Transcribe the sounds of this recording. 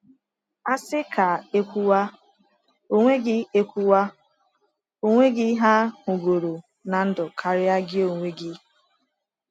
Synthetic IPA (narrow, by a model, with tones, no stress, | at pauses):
a˦sɪ˦kʰa˨e˦kʷu˦wa˦ | o˦ŋʷe˦ɡɪ˦e˦kʷu˦wa˦ | o˦ŋʷe˦ɡɪ˦ɦa˦ŋʊ˨ɡo˨ɾo˨ | na˨n̩˦dʊ˨kʰa˨ɾɪ˦a˦ɡɪ˦o˨ŋʷe˦ɡɪ˦